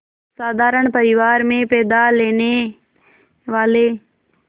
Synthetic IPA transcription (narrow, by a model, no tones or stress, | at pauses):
saːd̪ʱaːɾəɽ̃pəɾɪʋaːɾmẽpɛːd̪aleːne | ʋaːle